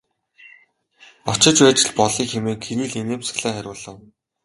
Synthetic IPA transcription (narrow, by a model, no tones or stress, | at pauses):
ɔt͡ɕɪ̆t͡ɕwæːt͡ɕɪ̆ɮpɔɮiːŋxemeːŋkʰeɾiːɮeneːms̆xɮeːχæɾʲʊːɮə̆w